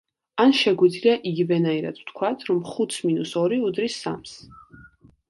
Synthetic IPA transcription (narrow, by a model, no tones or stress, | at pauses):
anʃɛɡwid̪zliaʔiɡivɛnaiɾa̰d̪̥w̥t̪ʰkʰwat̪ʰɾɔmχut̪sminusɔɾiud̪ɾisːa̰ms